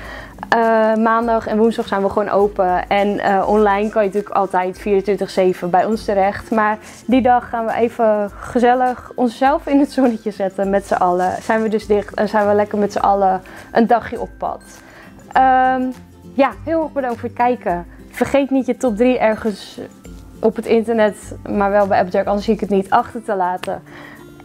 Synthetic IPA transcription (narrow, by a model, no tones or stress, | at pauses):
əmaːndɑχɛnʋunsdɑχsɛjnʋəχʋoːnʔowpəɛnəʔɔnlɛjnkɑnjətyːkʰɑ̰lˠtɛjtfiːrəntʋɪntəχsejvəbɛjɔnstəɾɛχtmaːɹ | didɑχːaːnʋəʔeːvəːəzɛləχɔnsːɛlˠfɪnətsonəcəzɛtənmɛtsəʔɑləsɛjnʋədøsdɪχtɛ̰nsɛjnʋəlɛkərmɛtsəʔɑləʔəndɑχjəʔɔpːɑ̰t | əm | jahɪlˠɦɛɹxbədɑŋktfoːɹət̚kɛjkə | fərχejtnitjətɔt̚driʔɛɹχəns | ʔɔpətɪntərnɛtmaːɹʋɛlˠbɛjɛpˠtɛɹkɑndəsiɪkətnitʰɑχtərtəlaːtə̰